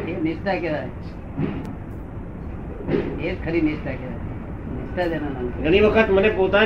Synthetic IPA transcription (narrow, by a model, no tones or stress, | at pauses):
enisʈ̪akeɾa | ed͡zkʰəɾinisʈ̪akeɾa̰ | nist̪ad̪enamanɡʱəɽ̃iʋəkʰət̪mənepot̪a